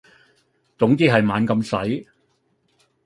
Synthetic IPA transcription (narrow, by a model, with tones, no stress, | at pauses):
t͡sʊ˨˥ŋt̪iː˥ɦɐ˨jmaː˨˧nkɐ˧msɐ˨˥j